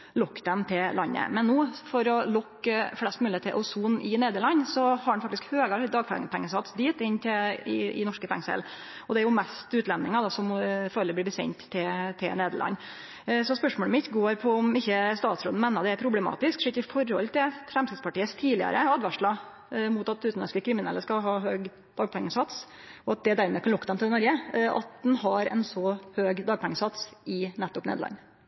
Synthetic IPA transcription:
lɔkːd̪ɛmt̪ʰɪlɑnːə̰mɛnːuːfɔɾɔlɔkːflɛst̪mʉːlɪeːt̪ʰːɪlʔɔsuːnɪneːd̪əɭɑɲːsɔhɑɾɖɛnfɑkt̪ɪskhøːɡɑd̪ɑːɡ̚pʰɛ̰pʰɛŋːəsɑt̪sd̪iːt̪ɪnːt̪ʰɪɪ̰ɪ̰nɔʂkəfɛ̰ŋsɛ̰l | ɔd̪ɛæɾjʊmɛst̪ʉːt̪lɛnɪŋɑd̪ɑsɔmføɾləb̪lɪːbəsɛ̰ɲt̪ʰːɪt̪ʰɪlneːd̪əɭʔɑ̰nː | sɔspœʂmɔːləmɪt̪ɡoːɾpʰɔɔmɪçːəst̪ɑːt̪sɾoːd̪̩mɛːnɑd̪ɛæɾpʰɾʊblɛmɑ̰ːt̪ɪskʂɪkːɪfɔɾhɔ̰lt̪ʰɪlfɾɛmst̪ɪd̪spɑʈiːəst̪ʰiːlɪə̰ɾəɑd̪ʋæʂɭɑ | mʊt̪ɑt̪ʉːt̪nɑnskəkʰɾɪmɪnɛlːəskɑlɦɑːɦøːɡ | d̪̥ɑːɡ̚pʰɛŋːəsɑt̪s | ɔɑt̪̚d̪ɛd̪æɾmɛkʰɑnlʊkːəd̪ɛmt̪ʰɪlnɔɾɡəʔɑ̰t̪̚d̪ɛnhɑɾɛ̰nsɔhøːɡd̪ɑːɡ̚pʰɛŋːəsɑt̪sɪnɛt̪ːɔpnḛd̪ɭʔɑ̰nː

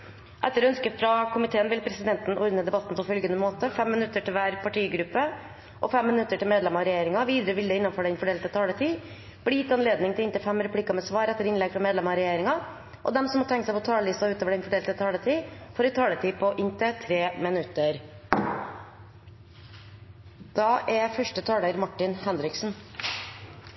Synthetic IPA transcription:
ʔɛt̪ːəɾɔœnskəfɾɑkʰʊmɪt̪ʰeːənʋɪlpʰɾɛsɪd̪ɛnt̪n̩ʔɔɾnəd̪ɛbɑt̪ːn̩pʰɔfœlɡənəmoːt̪əfɛmːɪnʉt̪ːəʈɪlʋæːɾpʰɑʈʰiːɡɾʉpːə | ʔɔfɛmːɪnʉt̪ːəʈɪlmeːd̪lɛmɑɾɛjeːɾɪŋɑʋiːd̪əɾəʋɪld̪ɛɪnɑnføːɖɛnfɔɖeːlt̪ət̪ʰɑːlət̪ʰiː | b̥lɪjɪt̪ːɑnleːd̪nɪŋt̪ɪlɪnt̪əfɛmɾɛpʰɽiːkɑmɛsʋɑːɾɛt̪ːəɾɪnlɛɡfɾɑmeːd̪lɛmɑɾɛjeːɾɪŋɑ | ʔɔ̰d̪ɛmsɔmɔːt̪ʰɛŋkəsæɪpʰɔt̪ʰɑːləlɪst̪ɑɔʉːt̪oːʋəɖɛnfɔɖeːlt̪ət̪ʰɑːlət̪ʰiːfɔːɾɪt̪ʰɑːlət̪ʰiːpʰɔʔɪnt̪ət̪ʰɾeːmɪnʉt̪əɾ | d̪̥ɑːʔɛfœʂʈət̪ʰɑːləɾmɑʈːɪnhɛnɾɪksn̩

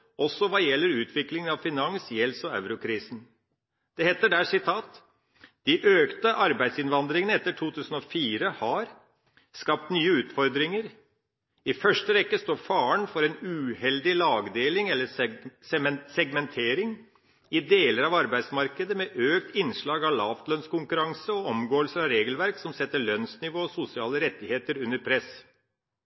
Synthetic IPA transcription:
ɔsːɔʋɑjɛlːəɾʉːt̪ʰʋɪklɪŋənɑʋfɪnɑŋsjɛlsɔɑʉɾʊkʰɾiːsn̩ | d̪̥ɛheːt̪ːəɖæːʂɪt̪ʰɑːt̪ | d̪̥ɪʔøːkt̪əʔɑɾbæɪd̪sɪnʋɑnd̪ɾɪŋənəɛt̪ːəʈʰuːt̪ʰʉːsən̩ɔfiːɾəhɑɾ | skɑp̚t̪nyːəʉːt̪fɔɾd̪ɾɪŋəɾ | ɪfœʂʈəɾɛkːəst̪oːɾfɑːəɳfɔɾɛnʉːhɛld̪ɪlɑːɡd̪eːlɪŋɛlːəssɛɡmɛnt̪ʰeːɾɪŋ | ɪd̪eːləɾɑʋɑɾbæɪsmɑɾkəd̪əmɛʔøːk̚t̪ʰɪnʂɭɑːɡɑlɑːft̪lœnskʊŋkʉɾɑŋsəɔɔmɡoːəlsəɾɑʋɾeːɡəlʋæɾksɔmsɛt̪ːəɭœnsnɪʋoːɔsʊsɪɑːləɾɛt̪ːɪheːt̪əɾʉnːəɾpʰɾɛs

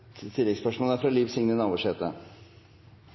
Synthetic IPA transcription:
t̪ʰɪlːɛkspœʂmoːləæfɾɑliːʋsɪŋnənɑːʋəʂɛːt̪ə̰

